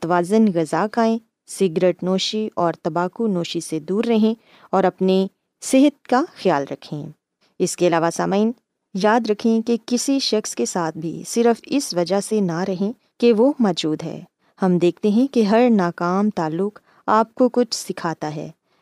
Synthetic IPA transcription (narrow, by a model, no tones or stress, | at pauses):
t̪ʋaːzənɣɐzaːkaːẽ | sɪɡɾeːʈnoːʃiɔːɾt̪ɐbaːkunoːʃised̪uːɾːɐɦẽ | ɔːɾɐpne | sɪɦət̪̚kaxjaːlɾɐ̰kʰːḛ̃ː | ɪskeɐlaːʋasaːmaːɪn | jaːd̪ɾɐkʰẽkekɪsiʃɐxskesaːt̪̚ʰbʱḭsɪɾfɪsʋɐd͡ʒaɦsenaɾɐɦẽ | keʋomɔːd͡ʒuːd̪ɦɛ̰ː | hɐmd̪eːk̚ʰt̪eɦɛ̃keɦɐɾnaːkaːmt̪aːlːʊk | aːp̚kokʊt͡ʃʰsɪkʰaːt̪aɦɛ̰ː